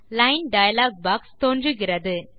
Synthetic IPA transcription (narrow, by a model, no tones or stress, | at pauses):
lɐɪnɖɐjɐlaːɡ̚baːkst̪oːndrɯɣɪrɐðɯ